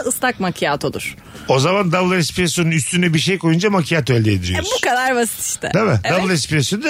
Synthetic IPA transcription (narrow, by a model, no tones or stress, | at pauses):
ɯst̪ʰak̚makʰijat̪ʰolˠṵɾ̥ | o̞zamand̪ablˠɛspiɾesjonunyst̪ʰynɛbiɾʃejkʰo̞jund͡ʒamacʰijat̪ʰoelʲd̪ʲɛːd̪iɾij̰bu̥kad̪aɾbasi̥t̪i̥ʃt̪ʰɛ̰d̪ʰamɪd̪ablˠɛspiɾesod̪